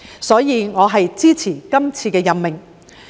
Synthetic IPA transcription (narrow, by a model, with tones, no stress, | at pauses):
sɔː˨˥jiː˨˧ŋɔː˨˧ɦɐ˨jt͡siː˥t͡sʰiː˨˩kɐ˥mt͡sʰiː˧kɛː˧jɐ˨nmɪ˨ŋ